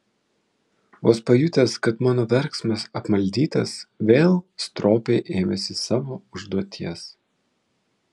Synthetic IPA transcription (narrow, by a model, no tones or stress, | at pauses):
oːspɐjʊt̪ʲɛskɐt̪mɑːnoːʋʲɛɾksmɐsɐpmɐlʲd̪ʲiːt̪ɐsʋʲeːlˠst̪ɾoːpʲeːʔeːmʲɛsʲɪsɑːʋoːʊʒd̪uɔt̪ʲʰiɛs